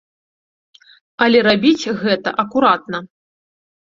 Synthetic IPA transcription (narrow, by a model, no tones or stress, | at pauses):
ɐlʲɛɾabʲit͡sʲɣɛt̪ɐ̰ʔɐkuɾat̪̚nɐ